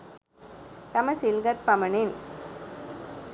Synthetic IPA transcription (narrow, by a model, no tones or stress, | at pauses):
t̪ɐmɐsilɡɐt̪̚pɐmɐɳɪn